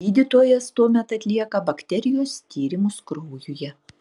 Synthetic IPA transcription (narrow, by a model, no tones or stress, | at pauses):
iːd̪ʲɪt̪oːjɛst̪uɔmʲɛt̪ɐt̪ʲlʲiɛkɐbɐkt̪ʲɛɾʲɪjoːst̪ʲiːɾʲɪmʊskɾuːjʊjɛ